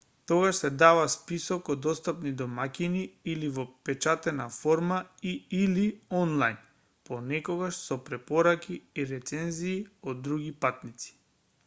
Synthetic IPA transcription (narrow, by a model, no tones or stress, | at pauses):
t̪ɔɡaʃsɛd̪avaspisɔkɔd̪ɔst̪apnid̪ɔmakʲiniilivɔpɛt͡ʃat̪ɛnafɔɾmaiiliɔnlˠajn | ponɛkɔɡaʃsɔpɾɛpɔɾakiːɾɛt̪sɛnziːɔd̪ːɾuɡipat̪nit̪si̥